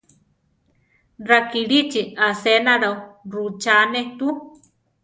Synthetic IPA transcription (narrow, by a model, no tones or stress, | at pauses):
rakiɺit͡ʃiasenaɾaurut͡ʃaneht̪u